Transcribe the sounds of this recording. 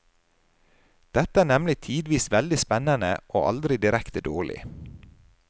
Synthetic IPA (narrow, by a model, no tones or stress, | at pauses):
d̪̥ɛt̪əæːɳɛmlɪt̪ʰiːd̪ʋiːsʋɛld̪ɪspɛnɑnə̰ʔoːʔɑ̰ld̪ɾɪd̪ɪɾɛkt̪əd̪oːɭɪ̰